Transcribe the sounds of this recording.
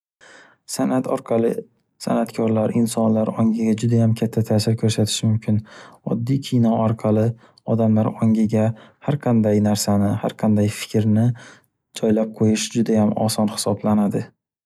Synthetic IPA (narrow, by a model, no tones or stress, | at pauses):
sanat̪ʰɒɾqʰɑlˠɪ | sa̰nat̪kʰɒɾlaɾɪnsɒnlaɾɒŋɡɪɡʲad͡ʒʊd̪ajamkʲʰat̪ʰːat̪ʰaːsɪɾkʰɵɾsat̪ʰɪ̥ʃmʊmkʲʰɪnɒd̪ːijkʲʰijnɒaɾqʰɑlˠɪ | ɒd̪amlaɾɒŋɪɡʲahaɾqʰɑnd̪ajnaɾsanɪha̰ɾqʰɑnd̪ajfɪ̥kʲɾnɪ | d͡ʒɒjlap̚qʰojɪʃd͡ʒʊd̪ajamɒ̰sɒnhɪ̥sɒblanad̪ɪ